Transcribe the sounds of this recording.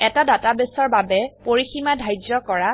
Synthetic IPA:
ɛtadatabesɔɹbabɛpoɹiximadʱajd͡ʒɔkɔɹa

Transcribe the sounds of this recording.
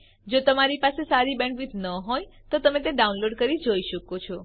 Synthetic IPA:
d͡ʒot̪əmaɾipasesaɾibɛ̃ɳkʋid͡ʒ̪ʱnəɦojt̪ot̪əmet̪̬eɖaunloɖkəɾid͡ʒoiʃəkot͡ʃʰɔ

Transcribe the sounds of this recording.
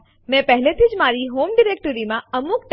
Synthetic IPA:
mɛ̃pɛɦlet̪ʰid͡ʒmaːɾiɦoːmɖɪɾeːk̚ʈəɾimãəmukʈ

